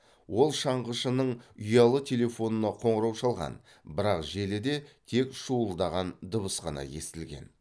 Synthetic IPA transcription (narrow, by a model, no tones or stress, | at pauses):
wo̞lˠʃɑɴʁəʃənəɴʊjɑlˠət̪ʲʰe̞lʲe̞fo̞nənɑqʰo̞ɴəɾɑwʃɑlˠʁɑ̰n | bɪɾɑqʒe̞lɪd̪e̞t̪ʰe̞kʃuəlˠd̪ɑʁɑnd̪ʊβəsqɑnɑ̰je̞st̪ɪlɡʲe̞̰n